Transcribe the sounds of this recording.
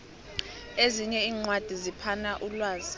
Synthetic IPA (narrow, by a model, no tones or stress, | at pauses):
eziɲɛiːŋ͡ǀwad̥ʱizipʰanaʔulwaːzi